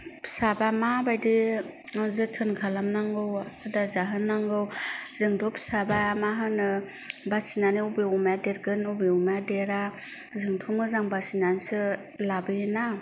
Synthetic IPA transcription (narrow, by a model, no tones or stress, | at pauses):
sabamabajdi | zɯtʰɯnkʰalamnaŋɡɯwatʰɯdazaɦɯnːaŋɡɯwzɯŋtʰɔpsabamaɦɯnɯ | basinaniubeumadeɾɡɯnubeɔmaadeɾa | zɯŋtʰɔmɯzaŋbasinansɯ | labɯjɯna